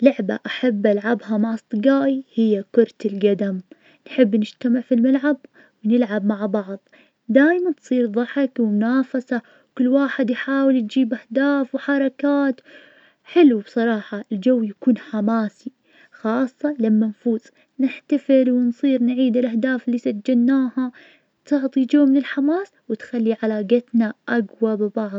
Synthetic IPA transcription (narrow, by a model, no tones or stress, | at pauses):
lʊʕba̰ʔaħabːʔalʕabɦamaʕɑsˤt̪ˤɨɡaːʔihɪjːakʊɾˤt̪ɪlɡad̪am | nħɪbːnɪd͡ʒt̪amɪʕfilmalʕab̚ | wnɪlʕabmaʕbɑʕðˤ | d̪aːjmant̪sˤiːɾðˤɑħɪkwɪmʊnaːfasa | kʊlːwaːħɪd̪jħaːwɪljd͡ʒiːbʔahd̪aːfwħɑɾˤɑkaːt̪ | ħɪlubsˤɑɾˤɑːħɑɪld͡ʒawːjakuːnħamaːsi | xɑːsˤːɑlamːanfuːz | nɪħt̪afɪlwɪnsˤiːɾnʕiːd̪ɪlʔahd̪aːfɪlːisad͡ʒːɪlnaːha | t̪ʊʕt̪ˤid͡ʒowːmɪnɪlħamaːswɪt̪xalːiʕalaːɡat̪naʔaɡwabbɑʕðˤ